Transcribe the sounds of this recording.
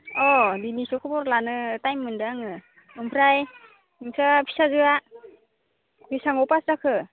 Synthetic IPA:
ɔdinisɔkʰɯbɔɾlanɯtajmːɯndaŋɯ | ɯmpʰɾaj | ɯŋsʰapʰi̥sazɯa | bisaŋɔpaszakʰɯ

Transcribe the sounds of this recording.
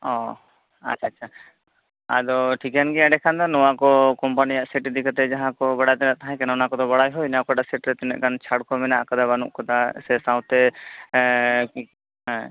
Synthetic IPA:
ɔ | a̰t͡ʃʰaːt͡ʃʰa | a̰d̪ɔʈʰikankiaɖɛkʰand̪ɔnɔwakɔkɔmpanijaʔsɛʈd̪ikat̪ɛd͡ʒaɦãkɔbaɽat̪ɛnaʔt̪aɦãkɛnanakɔd̪ɔbaɽajɦɔjnakɔʈasɛʈɾɛt̪ɛnɛ̰ʔkant͡ʃʰaɽkʰɔmɛnaʔakad̪abanṵʔkɔt̪asɛsaw̃t̪ːɛ | k | ɦɛ̃

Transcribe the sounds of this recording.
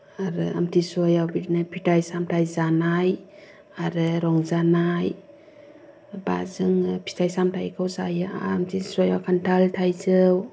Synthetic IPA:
aɾɯa̰mtʰisɔjawbitnɯpʰitʰajsamtʰajzanaj | aɾɯɾɔŋzanaj | ba̰zɯŋpʰi̥tʰajsamtʰajkʰawzaja̰ːmtʰisɔjawkʰantʰaltʰajzɯw

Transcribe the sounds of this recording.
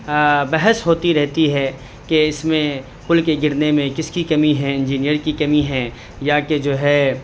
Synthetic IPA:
bɛɦəsɦoːt̪iɾɛɦt̪iɦɛ | keɪsmẽ | kʊlkeɡɪɾnemẽkɪskikɐmiɦɛ̃ɪ̃nd͡ʒiːnijəɾkikɐmiɦɛ̃ | jaked͡ʒoːɦɛ

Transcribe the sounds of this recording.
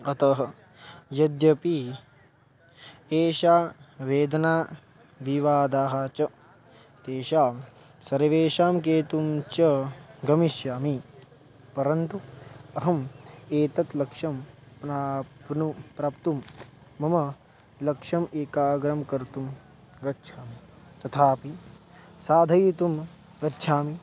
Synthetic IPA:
ɐt̪ɐɦɐ̆ | jɐd̪jɐpi | eːʃaːʋeːd̪ɐnaː | ʋiʋaːd̪aːɦat͡ʃɐ | t̪eːʃaːm | sɐɾɐʋeːʃaːmkeːt̪umt͡ʃɐɡɐmiʃjaːmi | pɐɾɐnt̪uɐɦɐmeːt̪ɐt̪lɐkʂɐmpnaːpnupɾɐːpt̪umː | ɐmɐ | lɐkʂɐmeːkaːɡɾɐmkɐɾt̪um | ɡɐtːt͡ʃʰaːmi | t̪ɐt̪ʰaːpi | saːd̪ʱɐjit̪um | ɡɐtːt͡ʃʰaːmi

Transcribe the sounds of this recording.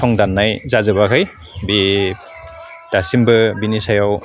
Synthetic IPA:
ɔŋdanːajzazɯbakʰɯj | bi | d̥asimbɯbinisajaw

